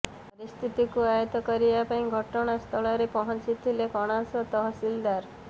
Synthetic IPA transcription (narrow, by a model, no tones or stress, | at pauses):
pɔɾist̪ʰit̪ikuajɔt̪ɔkɔɾibapaĩɡʱɔʈɔɽ̃ast̪ʰɔɭɔɾepɔɦɔnt͡ʃit̪ʰilekɔɽ̃asɔt̪ɔɦɔsild̪aɾ